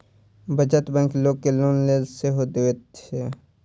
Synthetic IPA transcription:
bəd͡ʒət̪bə̃ŋkloːɡ̚kːeloːnleːzseɦod̪eʋet̪t͡ʃe

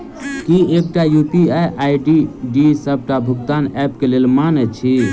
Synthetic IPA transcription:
kiekʈajupiajʔajɖiɖisəb̚ʈabʱuɡt̪anɛp̚kelelmanɛt͡ʃʰi

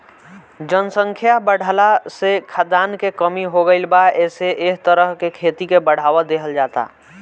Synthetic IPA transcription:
d͡ʒənsə̃ŋkʰjabəɽ̤ʱəlasekʰad̪aːnkekəmiɦoɡəɪlbaɛːseʔeɦt̪əɾəɦkekʰeːt̪ikebəɽ̤aːwəd̪eɦəld͡ʒaːt̪a̰

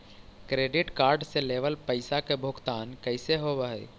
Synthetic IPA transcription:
kɾeːɖɪʈkaːɾɖseleːʋəlpəɪsakebʱʊɡt̪aːnkəɪseɦobəɦḛ

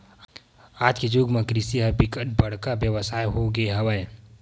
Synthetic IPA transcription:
aːd͡ʒked͡ʒoːɡmẽkɾɪsiɦəpɪkəʈ̚bɐɽ̤kabjəʋəsaːjɦoɡeɦɐʋəe

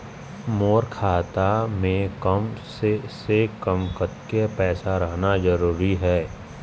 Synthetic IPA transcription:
moːɾkʰaːt̪amẽkəmsesekəmkət̪kepɛːsaɾəɦnazəɾuːɾiɦɛː

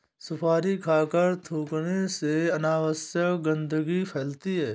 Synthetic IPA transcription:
sʊpʰaːɾikʰaːkəɾt̪ʰoːkneseɐnaːwəsjəkɡə̃nd̪əɡipʰɛːlt̪iɦɛː

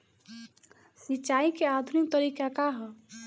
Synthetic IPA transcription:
sit͡ʃaikead̪ʱunik̚t̪əɾikakaɦɔ

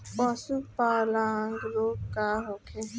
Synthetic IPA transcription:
pɔsupaːlãːŋɡloːkaːɦoːkʰe

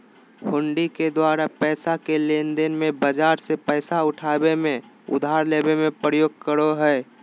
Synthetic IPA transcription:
hʊɳɖiked̪waːɾapɛːsakelend̪enmẽbəd͡ʒaːɾsepɛːsaʊʈʰaːbemẽ | ʊ̰d̪ʱaːɾleːbemẽpɾəjoːɡ̚kəɾoɦɛː

